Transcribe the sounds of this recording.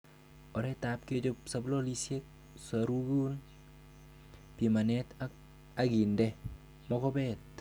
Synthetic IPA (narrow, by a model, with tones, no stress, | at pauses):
ɔ˨ɾɛ˦ta˨p̚ke˦d͡ʒo˦sa˨blo˦li˦sje˦k̚ | saɾu˦ɡu˦n | pi˨ma˨nɛ˦ta | a˦ɡi˨ndɛ˦ | mɔ˦kɔ˦bɛ˦t̚